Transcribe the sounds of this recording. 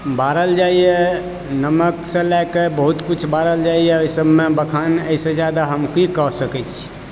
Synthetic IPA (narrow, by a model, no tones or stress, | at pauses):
baɾəld͡ʒaije | nəməksẽlajkebəɦut̪kut͡ʃʰbaɾəld͡ʒaijeoisəbmebəkʰanəisẽd͡ʒjad̪aɦəmkikɔɦsəkɛt͡ʃʰi̥